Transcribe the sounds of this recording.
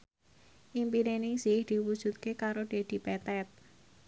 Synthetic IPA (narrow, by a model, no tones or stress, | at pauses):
ʔimpiɾenɪŋsihd̪̥i̤wud̥ʒ̥ṳt̪̚kekaɾod̪̥e̤d̪̥i̤pɛt̪ɛt̪̚